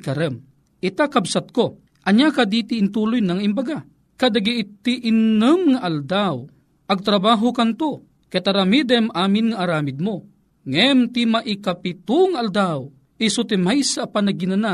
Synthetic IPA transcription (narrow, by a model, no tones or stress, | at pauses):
kɐɾɛm | ʔɪt̪akabsat̪̚ko | ʔɐɲjakad̪iːt̪ɪʔːnt̪uːlʊjnaŋaʔimbaɡa | kad̪aɡiʔt̪iʔɪnɨmŋaʔald̪aw | ʔɐɡ̚t̪ɾabaːɦokɐnt̪o | kajt̪aɾamid̪ɛmʔaːmɪnŋaʔaɾaːmɪd̪̚mo | ŋɛmt̪imaʔikapɪt̪uŋaʔald̪aw | ʔisʊt̪ɪmajsapanɐɡinana